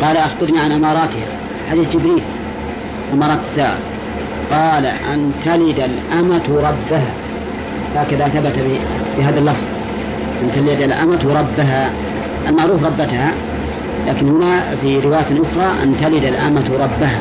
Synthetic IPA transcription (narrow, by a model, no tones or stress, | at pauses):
qɑːlaʔaxbɪɾˤniʕanʔamɑːɾˤɑːt̪ɪha̰ | ħad̪iːθd͡ʒɪbɾiːl | ʔamɑːɾˤɑːt̪ḁsːaːʕa̰ | qɑːlaʔant̪alɪd̪alʔamat̪ɾˤɑbːaɦa | haːkaðaθabat̪a | biɦaːðalːɑfðˤ | ʔant̪alɪd̪alʔa̰mat̪wɾˤɑbːaɦa | ʔalmaʕɾuːfɾˤɑbːat̪ha | laːkɪnhʊnafiɾɪwaːjaʔʊxɾˤɑʔa̰nt̪alɪd̪alʔa̰mat̪ɾˤɑbːaha̰